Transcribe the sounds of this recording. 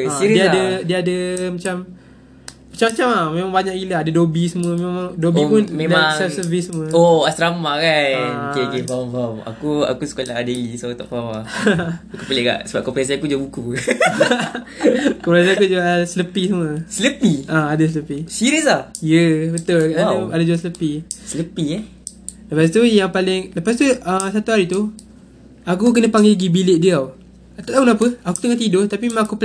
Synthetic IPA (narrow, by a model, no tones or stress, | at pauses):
iɾədiaadədiəadəmət͡ʃam | mat͡ʃamat͡ʃamamemaŋbaɲakiləadədobisəmuəmemaŋdobipunmedasɛfsəvissəmuəoast̪ɾamakakekevamvama̰kua̰kusə̥kolaadelisat̪ɔ̰ʔkawa | akupəleka̰ʔsəbap̚kɔpɾas̬iakud͡ʒuabuku | kɔmpɾas̬aakud͡ʒuɡasələpisəməsələpiaadas̬ələpisiɾəsajəbət̪ʊlʔaaadad͡ʒuasələpisələpi | ləpast̪ujaŋpalɪŋləpast̪uəsat̪uhaɾit̪u | akuk̬ənə̃paŋɡɪlɡibilɪʔdiaw | at̪at̪aunapəaku̥t̪əŋat̪̬idoht̪apimemãakupə